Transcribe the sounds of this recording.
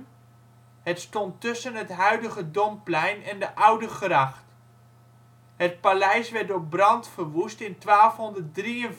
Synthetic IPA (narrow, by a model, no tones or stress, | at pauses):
ɦətstɔntɵsənɦətɦœɥdəχədɔmplɛjnɛndəʔʌwdəχrɑχt | ɦət̚palɛjsʋɛɹtɔbrɑntfəɹʋustɪntʋaːlˠfɦɔndəɹt̚driən